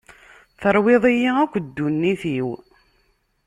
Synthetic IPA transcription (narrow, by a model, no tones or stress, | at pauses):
θəɾˤweðˤijiækʷːd̪ːunːiθiw